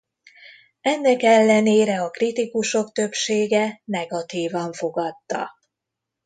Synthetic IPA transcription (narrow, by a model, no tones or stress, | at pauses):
ɛnːɛkɛlːɛneːɾɛɒkrit̪ikuʃo̞kt̪ø̞pʃeːɡɛnɛɡɒt̪iːvɒɱfo̞ɡɒt̪ːɒ̰